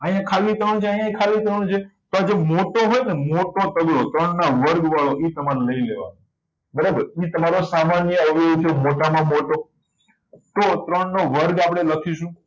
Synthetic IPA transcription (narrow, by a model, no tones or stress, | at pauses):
əjãkʰalit̪ɾəɳ̃t͡ʃʰeaɦjãikʰalit̪ɾəɳ̃t͡ʃʰet̪oad͡ʒemoʈoɦojnemoʈot̪əɡɾot̪ɾəɳnaʋəɾɡʋaɭoʔit̪əmaɾləileʋa̰no | bəɾəbəɾit̪əmaɾosamanjəəʋiũt͡ʃʰemoʈamãmoʈo | t̪ot̪ɾəɳnoʋəɾɡapɽ̃eləkʰiʃũ